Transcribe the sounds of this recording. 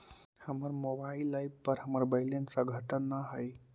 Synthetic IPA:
həməɾmobailːajbpəɾɦəməɾbəjlensəɡʱət̪ənːəɦəj

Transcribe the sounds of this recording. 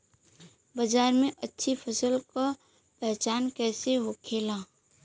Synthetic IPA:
bəd͡ʒaːɾmẽʔətːʃʰipʰəsəlka | pɛɦt͡ʃaːnkɛːseɦokʰeːla

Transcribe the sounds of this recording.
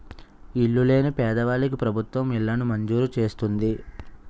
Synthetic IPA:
iɭːule̞ːnipɛːd̪ɐʋaːlik̬ipɾɐbʱut̪ʋɐmilːɐnumɐɲd͡ʒuːɾut͡ʃe̞ːst̪und̪i

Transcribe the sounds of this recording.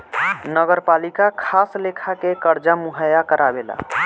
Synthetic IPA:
nəɡəɾpalikakʰaslekʰakekəɾd͡ʒamuɦəjakəɾʔabela̰

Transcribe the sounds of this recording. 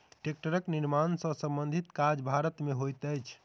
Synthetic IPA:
ʈek̚ʈəɾəkniɾmansə̃sə̃mbənd̪ʱit̪kad͡ʒbʱaɾət̪meɦojt̪əjt͡ʃʰ

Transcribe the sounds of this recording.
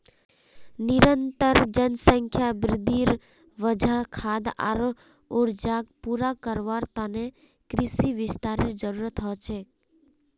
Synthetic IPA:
nɪɾənt̪əɾd͡ʒənsə̃ŋkʰjabɾɪd̪ʱiɾ | ʋəd͡ʒʱakʰaːd̪a̰ɾ | ʊɾd͡ʒaːɡ̚puɾakəɾʋaːɾt̪ane | kɾɪsiʋɪst̪aːɾɪɾd͡ʒəɾuːɾət̪ɦɔːt͡ʃʰeː

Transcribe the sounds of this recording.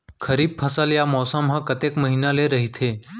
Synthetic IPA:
kʰəɾiːb̚pʰəsaljamɔsamɦãkət̪ekməɦinaleɾəɦit̪ʰe

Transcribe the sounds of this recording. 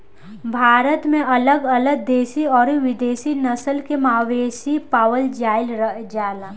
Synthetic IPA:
bʱaːɾət̪mẽʔɐləɡɐləɡ̚d̪eːsiɔːɾʋɪd̪eːsinɐsəlkemaːʋeːsipaːwəld͡ʒaːɪlɾəɦd͡ʒaːlaː

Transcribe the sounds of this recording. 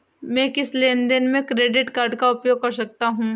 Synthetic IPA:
mɛ̃ːkɪsleːnd̪ɪnmẽkɾeːɖɪʈkaːɾɖkaʊpjoːɡ̚kɐɾsɐk̚t̪aɦũː

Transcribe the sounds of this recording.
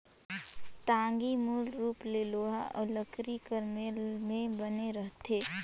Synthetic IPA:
t̪ãːŋɡimuːlɾuːpleːloːɦa̰ʔʊləkɾikəɾmelmẽbəneɾəɦt̪ʰeː

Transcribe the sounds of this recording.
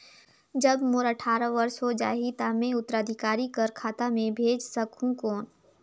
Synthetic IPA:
d͡ʒəbmʊɾəʈʰaːɾəʋɐɾsɦod͡ʒa̰ːɦit̪amẽʊt̪ːəɾad̪ʱɪkaːɾikəɾkʰaːt̪amẽbʱeːd͡ʒsəkʰũkoːn

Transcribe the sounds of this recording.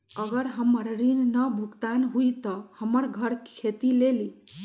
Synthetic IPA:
əɡəɾɦəməɾɾinnəbʱukt̪anɦujt̪ʌhəməɾɡʱəɾkʰet̪ileli

